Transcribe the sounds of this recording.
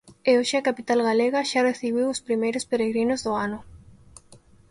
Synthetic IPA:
eoʃɪakapit̪alɣaleɣaʃareθiβiwospɾimejɾʊspeɾeɣɾinʊzðoanʊ

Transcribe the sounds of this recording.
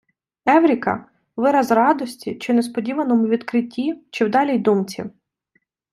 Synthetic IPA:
ɛwɾʲikɐ̰ | ʋɪɾɐzrɑd̪ɔsʲtʲit͡ʃɪnespɔdʲiʋɐnɔmʊʋʲid̪kɾɪtʲːit͡ʃɪwd̪ɑlʲijd̪umt͡sʲḭ

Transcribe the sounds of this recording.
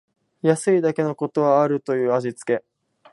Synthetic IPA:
jasɨid̪ake̞no̞ko̞t̪o̞βaːɾɯ̟t̪o̞jɯ̟ːaʑit͡sɨ̥ke̞

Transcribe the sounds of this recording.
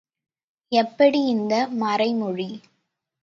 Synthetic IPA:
ɛpːɐɽiɪnd̪ɐmɐɾɐɪmɔɻi

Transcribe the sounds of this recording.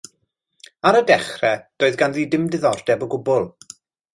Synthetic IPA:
aɾədɛχrɛd̥oːðɡanðiːdɪmdɪðɔrdɛbɔɡʊbʊlˠ

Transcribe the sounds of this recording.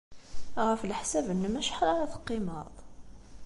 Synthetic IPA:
ʁəflħsæbənːəmæʃħɾˤɑɾæθə̥qːɪmɑðˤ

